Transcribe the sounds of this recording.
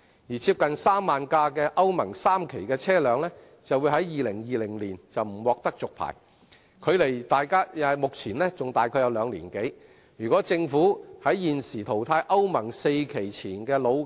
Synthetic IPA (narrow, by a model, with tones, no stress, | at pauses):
jiː˨˩t͡sʰiː˧p̚kɐ˨nsaː˥mːaː˨nkaː˧kɛː˧ʔɐ˥wmɐ˨˩ŋsaː˥mkʰe˨˩jkɛː˧t͡sʰɛː˥lœː˨˧ŋlɛː˥ | t͡sɐ˨wuː˨˧jhɐ˨˥jjiː˨lɪ˨˩ŋjiː˨˧lɪ˨˩ŋliː˨˩nt͡sɐ˨wm̩˨˩wɔː˨k̚t̪ɐ˥k̚t͡sʊ˨k̚pʰa̰ː˨˩j | kʰɵ˨˧ɥle˨˩jt̪aː˨jkaː˥jɐ˧mʊ˨k̚t͡sʰiː˨˩nlɛː˥t͡sʊ˨ŋt̪aː˨jkʰɔː˧jɐ˧wlœː˨˧ŋlḭː˨˩nke˨˥j | jyː˨˩kʷɔː˨˥t͡sɪ˧ŋfuː˨˥hɐ˨˥jːiː˨nsiː˨˩t̪ʰo˨˩wt̪ʰaː˧jʔɐ˥wmɐ˨˩ŋse˧jkʰe˨˩jt͡sʰiː˨˩nkɛː˧lo˨˧w